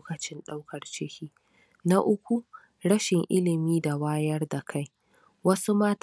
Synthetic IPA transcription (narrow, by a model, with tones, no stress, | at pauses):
kɐ˨t͡ʃɪ˦nɗa˦wkɐ˨rt͡ʃɪ˦hʲiː˦ | na˦ʔʊ˦kʷu˦ | ɽɐ˦ʃɪ˨ŋʔɪ˦lɪ˨miː˦da˨waː˦jɐ˦rda˨kʰa˦˨j | wɐ˦su˦maː˦t